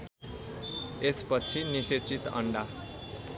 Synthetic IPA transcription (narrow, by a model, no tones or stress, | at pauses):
espʌt͡sʰiniset͡sit̪ʌ̰ɳɖa